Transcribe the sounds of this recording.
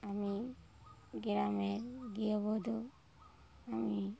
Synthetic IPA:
ami | ɡɛɾamɛɡijɔβɔd̪ɔ | ami

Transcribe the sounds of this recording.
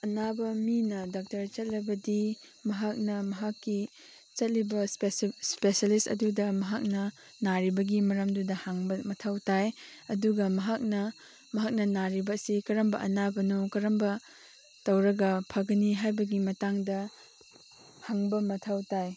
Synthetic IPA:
ɐnabɐminɐdak̚tɐɾt͡ʃɐt̚lɐbɐdi | mɐɦak̚nɐmɐɦakːi | t͡ʃɐt̚libɐspesspesalistɐ̰dudɐmɐɦak̚nɐ | naɾibɐɡimɐɾɐmdudɐhaŋbɐmɐtʰawtajɐduɡɐmɐɦak̚nɐ | mɐɦak̚nɐnaɾibɐsikɐɾɐmbɐʔɐnabɐnukɐɾɐmbɐ | tɐwɾɐɡɐpʰɐɡɐniɦajbɐɡimɐtaŋdɐ | haŋbɐmɐtʰawtaj

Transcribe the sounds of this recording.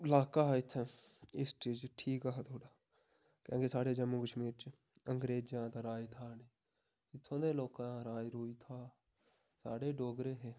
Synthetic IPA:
ɪlaːkaːɪt̪ʰː | ɪsʈeːd͡ʒʈʰiːkaːɦt̪ʰoːɽaː | kjõːkesaːɽeːd͡ʒəmːuːkəʃmiːɾt͡ʃ | əŋɡɾeːd͡ʒjãːt̪ãːɾaːit̪ʰaːne | ɪt̪ʰːõːd̪eːloːkãːɾaːiɾoːiːt̪ʰaː | sa̰ːɽeːɖoːɡɾeːɦeː

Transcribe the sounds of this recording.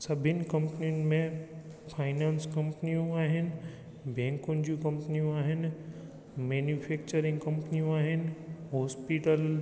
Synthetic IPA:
sɐbʱɪnɪ̆kɐ̃mpnijʊnɪ̆mẽ | fʰaːɪnaːnskɐ̃mpnijũaːɦɪnɪ̆ | bʱɛ̃ːŋkʊnɪ̆d͡ʑũkɐ̃mpnijũaːɦɪnɪ̆ | meːnjufʰeːk̚t͡ɕəɾɪ̃ŋɡkɐ̃mpnijũaːɦɪnɪ̆ɦɔːspiːʈəl

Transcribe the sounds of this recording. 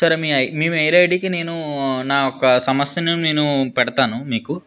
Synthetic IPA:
sɐɾemiːɐjmiːmɐjlɐjɖikine̞ːnunaːɔkɐsɐmɐsjɐnineːnupɛɽɐt̪aːnumiːku

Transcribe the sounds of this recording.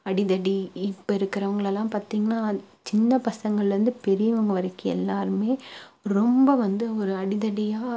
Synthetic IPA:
ɐɽɪðɐɽiɪpːɐɪɾɯkːɪɾɐʋɐŋɡɐɭɛlːãːpaːɾt̪iːŋɡɐnaːt͡ʃɪnːɐpɐsɐŋɡɐɭɾɯnd̪ɯpɛɾɪjɐʋɐŋɡɐʋɐɾɐkːɯɛ̰lːaːɾɯmeːɾɔmbɐʋɐnd̪ɯɔɾɯɐɽɪðɐɽɪjaː

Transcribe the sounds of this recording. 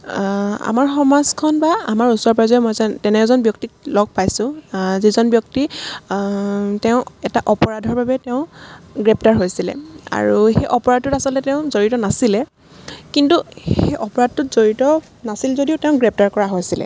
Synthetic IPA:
a̰maɹxɔmazkʰɔnbaamaɹusɔɹpɹazɔɛmɔjzatɛnɛzɔnbjɔk̚tilɔɡ̚pajsʊ̃zizɔnbjɔk̚ti | tɛʊ̃ɛtaʔɔpɔɹadʱɔɹbabɛteʊ̃ɡɹɛp̚taɹɦojsilɛ̰a̰ɹuxejʔɔpɔɹad̚ːʊtasɔltɛtɛʊ̃zoɹitɔnasilɛ | kintuxejʔɔpɔɹad̚tːʊtz̥oɹitɔ | nasilzodiʊtɛʊ̃ɡɹɛp̚taɹkɔɹaɦojsilɛ̰

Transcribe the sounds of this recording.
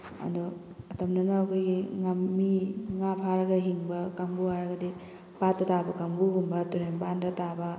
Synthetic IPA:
ɐ̰ndɔɐtɐmnɐnɐːkʰojɡiŋamːiŋapʰaɾɐɡɐɦiŋbɐkaŋbuɦaɾɐɡɐdi | patːɐtabɐkɐmbuɦumbɐtuɾembandɐtabɐ

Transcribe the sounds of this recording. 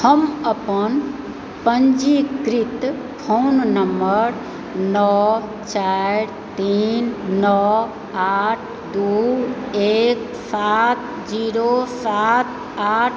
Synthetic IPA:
həməpən | pəɲd͡ʒikɾit̪ | pʰonnəmbəɾ | nɔ | t͡ʃaɾ | t̪iːnːɔ | aʈʰ | d̪u | ek | sat̪̚ | d͡ʒiːɾosat̪̚ʰ | aʈ̚ʰ

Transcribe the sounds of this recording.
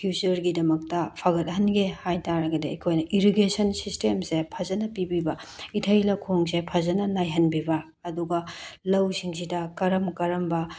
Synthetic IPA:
pʰjusɐɾɡidɐmɐk̚tɐpʰaɡɐt̚ɦɐnɡehajtaɾɐɡɐdeɐkʰojnɐʔiɾiɡesɐnsistemsepʰɐzɐnɐpibibɐitʰɐjlɐkʰoŋsepʰɐzɐnɐnajɦɐnbibɐː | duɡɐlɐwsiŋsidɐkɐɾɐmkɐɾɐmbɐ

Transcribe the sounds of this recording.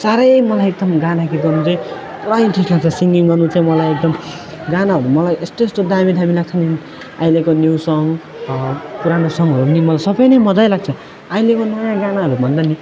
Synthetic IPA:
saɾʌjmʌlajek̚d̪ʌmɡanakit̪ɡʌnut͡saĩ | prajnʈʰislaɡ̚t͡sʰʌsiŋɡiŋɡʌrnut͡saĩmʌlajek̚d̪ʌm | ɡanaɦʌɾumʌlajʔest̪oesʈ̪od̪amid̪ɦamilaɡ̚t͡sʰʌni | a̰jlekonjuwsʌŋ | puɾanosʌŋɡɦʌɾupʌnimʌlajsʌbʌjnʌjmʌd͡z̪ʌjlaɡ̚t͡sʰʌ | ajlekonʌjãɡanaɦʌɾubʱʌnd̪ani

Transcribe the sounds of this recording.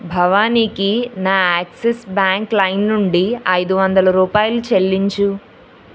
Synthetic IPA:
bʱɐʋaːniːkinaːaːksesbaːŋklɐjnːuɳɖiɐjd̪uʋɐnd̪ɐlɐɾuːpaːjulut͡ʃelːiɲt͡ʃu

